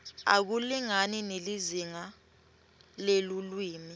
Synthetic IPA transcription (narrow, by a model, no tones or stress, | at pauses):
a̰k̬uliŋanineliziŋa | lelulwiːmi